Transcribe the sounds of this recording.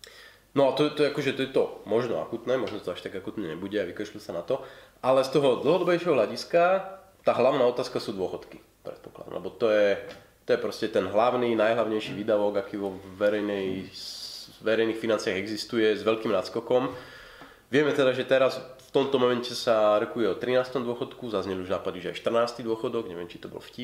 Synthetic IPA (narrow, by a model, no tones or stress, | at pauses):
nɔat̪ɔjɛt̪ɔjɛakɔʒɛt̪ɔjɛt̪ɔmɔʒnɔa̰kuːt̪nɛːmɔʒnɔt̪ɔaʃt̪aɡakuːt̪nɛɲɛ̰buɟɛaʋikat͡ʃlusanat̪ɔʔalɛst̪ɔɦɔd̪l̩ˠɦɔd̪ɔbɛjʃɛɦɔɦlʎaɟiska | t̪aːɦlaʊnaːɔt̪aːskasuːd̪ʊɔxɔt̪ki | pɾɛ̰t̪̚pɔ̥klad̪ɔ̰mlɛ̰bɔt̪ɔjɛ | t̪ɔjɛpɾɔscɛt̪ɛnɦlaʊniːnajɦlaʊɲɛjʃiʋiːd̪aʋɔɡakiːʋɔʋɛɾɛjnɛj | ʋɛɾɛjniːxfinant͡siaɣɛɡzist̪ujɛzʋɛʎkiːmnat̪skɔkɔm | ʋɪɛmɛt̪ɛd̪aʒɛt̪ɛɾasft̪ɔmt̪ɔmɔmɛncɛsaɾɔkujɛɔt̪ɾinaːst̪ɔmd̪ʊɔxɔt̪kuzazɲɛliuʒnaːpad̪iʒɛa̰jʃt̪r̩naːst̪id̪ʊɔxɔd̪ɔɡɲɛʋɪɛmt͡ʃi̥t̪ɔbɔ̰lfcip